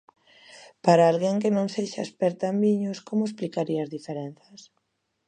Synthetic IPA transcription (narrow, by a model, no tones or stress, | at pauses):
paɾaalɣeŋkɪnõŋseʃaespeɾt̪ambiɲʊskomʊesplikaɾiɐazðifeɾen̟θɐs